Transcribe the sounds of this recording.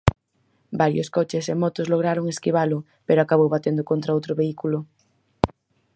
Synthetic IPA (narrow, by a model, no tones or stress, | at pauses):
baɾjoskot͡ʃesemɔt̪ozloɣ̞ɾaɾoŋeskiβ̞alʊ | peɾoakaβowβat̪end̪okont̪ɾaowt̪ɾoβeikulʊ